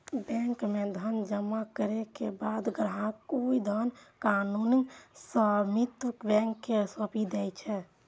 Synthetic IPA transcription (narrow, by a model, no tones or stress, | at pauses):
bɛ̃ŋkmed̪ʱənd͡ʒəmːakəɾekebad̪ɡɾɦãkoid̪ʱənkaːnunisəmit̪əkbɛ̃ŋkːesəpid̪ɛt͡ʃʰɛ